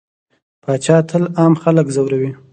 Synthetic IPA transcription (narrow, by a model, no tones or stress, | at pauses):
pʰɑt͡ʃɑt̪ʰəlɑmxaləkzawɾawi